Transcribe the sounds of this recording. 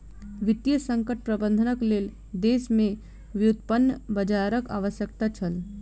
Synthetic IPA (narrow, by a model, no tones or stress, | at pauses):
ʋɪt̪jəsə̃ŋkəʈ̚pɾəbə̃nd̪ʱənəkleːl | d̪eːsmẽ | ʋjut̪pənːəbəd͡ʒaɾəka̰ːʋəsjək̚t̪at͡ʃʰəl